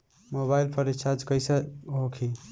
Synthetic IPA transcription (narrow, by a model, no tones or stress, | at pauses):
moβailpʰəɾet͡ʃʰad͡ʒkəjsəɦokʰi